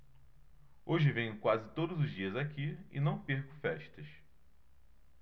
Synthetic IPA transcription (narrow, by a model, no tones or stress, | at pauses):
oʒɪvẽɲʊkwazɪt̪od̪ʊzʊzd͡ʒiɐzakʲiɪ̰nɐ̃w̃peɾkʊfɛʃt̪ɐs